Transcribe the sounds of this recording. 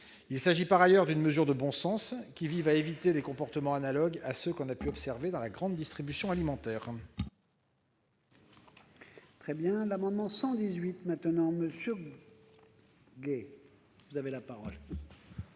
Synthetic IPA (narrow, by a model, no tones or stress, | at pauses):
ilsaʒipaʁajœʁd̪ynməzyʁd̪əbɔ̃sɑ̃skʲivivaevit̪elekɔ̃pɔʁt̪əmɑ̃analɔɡasøkɔ̃napyɔpsɛʁved̪ɑ̃laɡʁɑ̃d̪d̪ist̪χibysjɔ̃alimɑ̃t̪ɛːʁ | t̪χɛbjɛ̃lamɑ̃d̪mɑ̃sɑ̃d̪izɥit̪mɛ̃t̪ənɑ̃məsjø | ɡe | vuzavelapaʁɔl